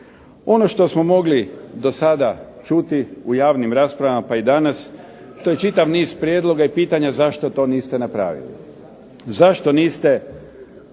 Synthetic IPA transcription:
o̞noʃt̪o̞smo̞mo̞ɡlid̪o̞sad̪at͡ʃut̪iujaːʋnimɾaːspɾaʋamapaid̪anas | t̪o̞je̞t͡ʃit̪aʋniːzpɾjed̪lˠo̞ɡaipiːt̪aɲazaʃt̪o̞t̪o̞ːniːst̪enapɾa̰ːʋḭlḭ | zaʃt̪o̞niːst̪e

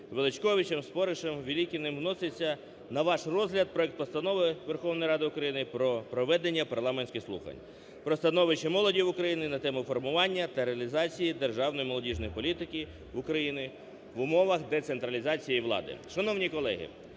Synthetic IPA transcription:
ʋelˠɪt͡ʃkɔʋʲit͡ʃemspɔɾɪʃemʋʲilʲikʲɪnɪmwnɔsɪt͡sʲːɐ | nɐʋɑʃrɔzɦlʲɐd̪̚pɾɔɛk̚t̪̚pɔst̪ɐnɔʋɪʋerxɔʋnɔjɾɑd̪ɪʊkɾɐjinɪpɾɔpɾɔʋɛd̪enʲːɐpɐrlˠɑmenʲsʲkʲɪxslˠṵxɐ̰nʲ | pɾɔst̪ɐnɔʋɪt͡ʃɪmɔlˠɔdʲiwʊkɾɐjinɪnɐt̪ɛmʊfɔrmʊʋɑnʲːɐt̪ɐɾeɐlʲizɑt͡sʲijid̪erʒɑwnɔjimɔlˠɔdʲiʒnɔjpɔlʲit̪ɪkʲɪ | ʊkɾɐjinɪ | ʋʊmɔʋɐxd̪et̪sent̪ɾɐlʲizɑt͡sʲijiʋlˠɑ̰d̪ɪ̰ʃɐnɔwnʲikɔlˠɛ̰ɦɪ̰

